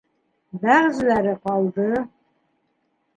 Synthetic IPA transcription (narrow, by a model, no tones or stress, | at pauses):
bæʁzlæɾɨqɑld̪ɨ